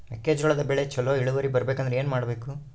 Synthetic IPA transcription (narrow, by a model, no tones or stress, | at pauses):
pɛkːe̞ːd͡ʒɡɐɭɐd̪ɐbɛɭet͡ʃɐlːoːiɭuʋɐɾibɐɾɐbeːkɐnd̪ɾee̞ːnumaːɽbe̞ːku